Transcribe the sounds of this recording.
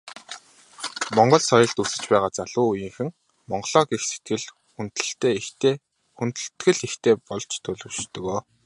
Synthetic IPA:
mɔɴɢɞ̆ɮsɔjɞ̆ɮt̪usɘ̆t͡ɕpæːʁaːt͡saɮʊːujĭŋxɘ̆ŋ | mɔɴɢɞ̆ɮɔːɡixse̥t̪̚ɡɘ̆ɮ | xunt̪ɘ̆ɬt̪eːeː | xunt̪ɘ̆ɬt̪ɡɘ̆ɮixt̪eːpɔɮt͡ɕt̪ʰɵɮɵ̆wʃt̪ɵ̆ɣoː

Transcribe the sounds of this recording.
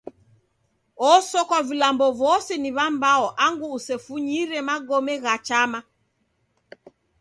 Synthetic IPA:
ɔsɔkavilambɔvɔsɛniβambaɔʔaŋɡuːsɛfuɲiɾɛmaɡɔmɛɣat͡ʃama

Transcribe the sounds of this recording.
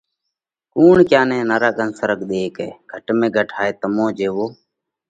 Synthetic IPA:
kuːɳkjaːnẽːnəɾaːɡʱənsəɾəkɗ̪eːkeːɡ̥ʱəʈmẽːɡʱəʈʰaːeːt̪əmõːd͡ʒeːʋoː

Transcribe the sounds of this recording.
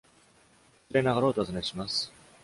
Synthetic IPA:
sɨɾenaɡaɾo̞ːt̪oazɨneɕimasɨ̥

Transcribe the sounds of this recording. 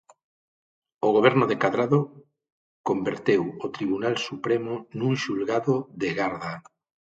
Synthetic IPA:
oɣoβ̞ɛɾnoðekaðɾaðo | kombeɾt̪ewot̪ɾiβ̞unalsupɾemonuŋʃulɣaðoðeɣaɾða

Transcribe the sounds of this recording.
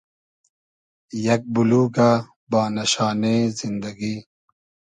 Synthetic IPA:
jɐk̚buluːɡaː | baːnɐɕaːnezind̪ɐɡiː

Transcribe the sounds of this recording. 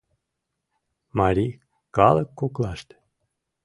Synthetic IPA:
mɑɾʲi | kɑlˠɤkːoklˠɑʃt̪

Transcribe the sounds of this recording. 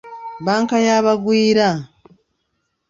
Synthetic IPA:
βaːŋkajaːβaɡwiːɾa

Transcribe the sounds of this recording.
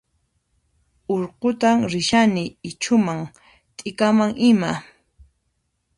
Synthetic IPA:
oɾqʊt̪aŋɾɪʃanɪːt͡ʃʊmaŋ | t̪ʼɪkamaŋɪma

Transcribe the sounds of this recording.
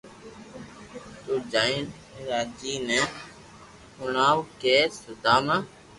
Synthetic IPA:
t̪oːd͡ʒaːin | ɾaːd͡ʒiːnɛ | hʊɳaːwkeːsəd̪aːmaː

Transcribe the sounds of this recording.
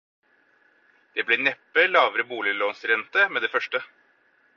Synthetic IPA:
d̪̥eːblɛːnɛpːəlɑːʋəɾəbuːlɪloːnsɾɛnt̪əmeːd̪eːfœʂʈə

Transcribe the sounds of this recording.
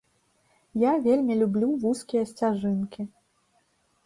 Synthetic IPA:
javʲelʲmʲilʲublʲuvuskʲijɐsʲt͡sʲaʐɨnkʲi

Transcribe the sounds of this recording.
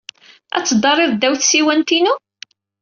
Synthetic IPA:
æ̰t͡sːəd̪ˤɑrˤːɪðd̪æwθsiwænt̪inu

